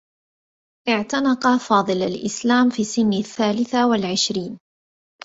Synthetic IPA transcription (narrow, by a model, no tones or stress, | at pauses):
ʔɪʕt̪anɑqɑfɑːd̪ˤɨlalʔɪslaːmfiːsːɪnːaθːaːlɪθawalʕɪʃɾiːn